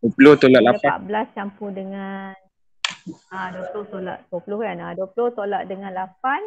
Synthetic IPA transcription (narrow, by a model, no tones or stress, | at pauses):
dupuloht̪olaʔlaaa̰ʔbəlast͡ʃampudəŋan | aduəpulʊht̪ola̰ʔduəpulʊhkanaduəpulʊht̪olaʔdəŋãnlap̚an